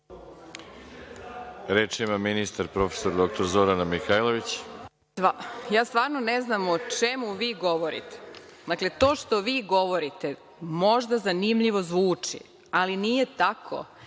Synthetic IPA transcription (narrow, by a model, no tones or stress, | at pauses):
ɾeːt͡ʃimaminist̪aɾpɾo̞fesoɾd̪ok̚t̪oɾzo̞ɾanamixajlˠoʋit͡ɕ | ajaːst̪ʋaːɾnoneznamot͡ʃemuʋiːɡo̞ʋo̞ɾḭt̪e̥d̪akle̞t̪o̞ːʃt̪o̞ʋiːɡo̞ʋo̞ɾit̪e | mo̞ʒd̪azanimʎiʋo̞zʋuːt͡ʂḭ | alinije̞t̪akʰo̞̰